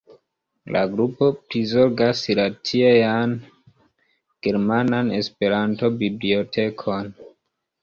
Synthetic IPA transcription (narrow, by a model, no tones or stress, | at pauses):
la̰ɡɾupo̞plizo̞ɾɡasiɾatiejan | ɡ̥e̞ɾmanane̞spe̞ɾanto̞biblio̞tʰe̞kʰo̞n